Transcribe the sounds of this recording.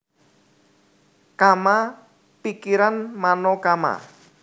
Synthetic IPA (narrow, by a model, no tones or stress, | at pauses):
kama | pikiɾanmanɔkama̰